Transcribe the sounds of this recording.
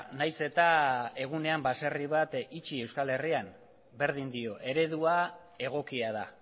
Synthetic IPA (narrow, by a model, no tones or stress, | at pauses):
najse̞t̪ae̞ɣune̞ambaseriβat̪it͡ʃie̞wskale̞rian | be̞ɾðind̪io̞ʔe̞ɾe̞ðua | e̞ɣ̞o̞kiað̞a